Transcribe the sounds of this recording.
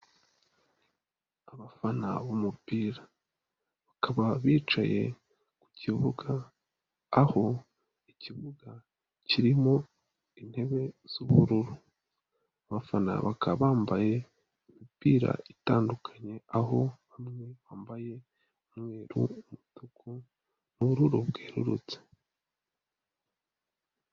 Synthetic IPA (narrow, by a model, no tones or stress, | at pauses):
aβafana̰βumupiːɾa | βakʰaβaβiːt͡ʃa̰je̞̰ | ku̥civuɡaː | ho̞ | iciβuɡa | ciɾimo̞ | in̥he̞βe̞z̥uβuɾuɾu | βafana̰βakaβaːmbaje̞ | imipiːɾa̰itaːndukʰḁɲe̞aɦo̞βamŋe̞βaːmbaje̞ | umŋwe̞ːɾṵumutukʰu | nuβuɾuɾubɡeːɾṵɾṵt͡se̥